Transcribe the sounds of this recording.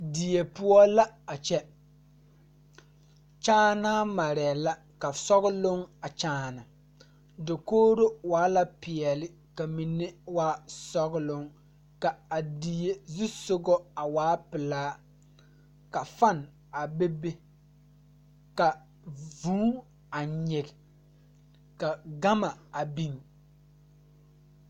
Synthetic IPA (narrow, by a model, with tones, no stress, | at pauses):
di˨je˨pʊ˦ɔ˦la˦a˨t͡ʃɛ˦ | t͡ʃaː˦naː˦ma˨ɾɛ˨la˦ | ka˨sɔ˦ɣʊ˦lʊ˦ŋa˨t͡ʃaː˦na˨ | dɪ˨koː˦ɾo˦waː˨˦la˦pɪ˨ɛ˨lɪ˦ | ka˨mi˨ne˦waː˦sɔ˦ɣlʊ˦ŋ | ka˨a˨di˨je˦zi˦sʊ˦ɡɔ˦a˨waː˦pɪ˨laː˦ | ka˨fa˦n˨ | a˨be˦be˦ | ka˨ | vuː˦ | a˨ɲɪ˨ɡɪ˨ | ka˨ɡa˦ma˨a˨bi˦ŋ